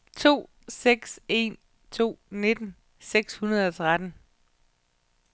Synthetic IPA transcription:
t͡sʰo̝̰ː | seɡ̥se̝̰n | t͡sʰo̝̰ːne̝d̥n̩ | seɡ̥shunɐð̞ˠɒ̽t͡sʰʁad̥n̩

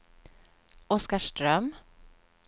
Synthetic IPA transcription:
ɔskaʂʈɾœm

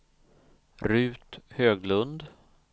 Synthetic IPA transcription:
ɾʉ̟ːt̪høːɡlɵnd̪

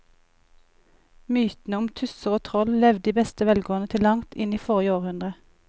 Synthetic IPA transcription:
myːt̪n̩əʊmt̪ʰʉsəʁoːt̪ʰʁɔllɛʋd̪iːbɛst̪əʋɛlɡoːnət̪ʰɪlɑŋt̪ʰɪ̰niːfɔʁɪəoːʁhʉnd̪ʁə

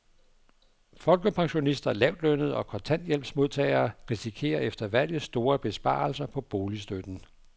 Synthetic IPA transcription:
fɒ̽lɡ̥əpʰɑ̈ŋɕo̝nisd̥ɐlɛʊ̰d̥lønð̞̩ˠɒ̽kʰɒ̽nt͡sʰæn̰d̥jel̰b̥smo̝ð̞ˠt͡sʰɛ̰ɪɐːʁisikʰe̝̰ːɐefd̥ɐʋæl̰jð̩ˠsd̥o̝ːɐb̥e̝sb̥ɑ̰̈ːlsɐpʰɒ̽b̥o̝ːlisd̥ød̥n̩

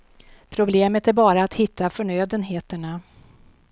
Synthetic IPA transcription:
pʰɾʊbleːmət̪æɾbɑːɾaːt̪hɪt̪ʰːafœɳøːd̪ənɦeːt̪əɳa

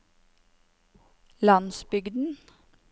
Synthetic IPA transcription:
lɑnsbʏɡd̪n̩

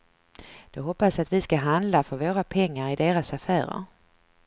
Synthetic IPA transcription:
d̪̥ɛɦɔpːasat̪vɪskaɦand̪lafœɾvoːɾapʰɛŋːaɾɪd̪eːɾasafæːɾə̰ɾ

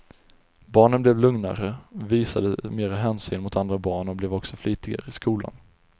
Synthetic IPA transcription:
bɑːɳənblɛvlɵŋna̰ɾəɔviːsad̪əmeːɾaɦɛːnsyːnmʊt̪ʰand̪ɾabɑːɳɔblɛvɔksɔflyːt̪ɪɡa̰ɾəɪskuːla̰n

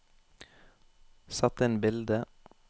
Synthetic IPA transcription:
sɑt̪əeːnbɪld̪ə

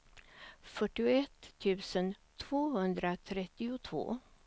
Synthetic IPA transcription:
fœʈːɪʊɛt̪ʰːʉ̟ːsənt̪ʰv̥oːhɵnd̪ɾat̪ʰɾɛt̪ːɪʊt̪ʰvo̰ː

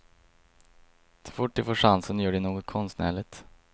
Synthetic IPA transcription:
sɔ̥fʊʈ̚ːd̪ɵfoːʂansənjœːɖɛnoːɡɔt̪̚kʰɔnst̪næ̰ːɭɪt̪

